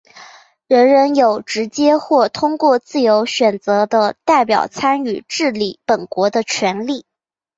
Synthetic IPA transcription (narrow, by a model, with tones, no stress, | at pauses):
ɻə˧˥nɻə˧˥njo˨˩ʊʈ͡ʂɻ̩˧˥t͡ɕjɛ˥xwɔ˥˩t̪ʰʊ˥ŋkwɔ˥˧t͡sɹ̩˥˩jo˧˥ʊɕɥɛ˨˩nt͡sɤ˧˥d̪ə˧t̪a˥˩ɪpjɑ̰˨˩ʊt͡sʰa˥ny˨˩ʈ͡ʂɻ̩˥˩li˨˩pə˨˩nkwɔ˧˥d̪ə˧t͡ɕʰɥɛ˧˥nli˥˩